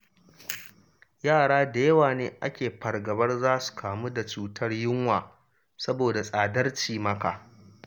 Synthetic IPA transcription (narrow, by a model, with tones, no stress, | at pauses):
jaː˦˨ɽaː˦da˨jɐ˦waː˨neː˦ʔa̰˦kʲeː˨ɸɐ˨rɡɐ˨bɐ˦rzaː˦su̥˨kʰaː˨mu˦da˨t͡ʃuː˨tʰɐ˦rjɪ˦ŋwaː˨ | sɐ˦boː˨da˨sʼaː˨dɐ˦rt͡ʃiː˨mɐ˦ka̰ː˨